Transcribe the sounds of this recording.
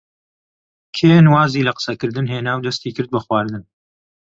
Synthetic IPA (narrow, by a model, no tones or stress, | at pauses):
kʰeːnwaːziːlɐqə̥sɐkɨɾd̪ɨnɦeːnaːwd̪ɐst̪iːkɨɾd̪̚bɐxwaːɾd̪ɨn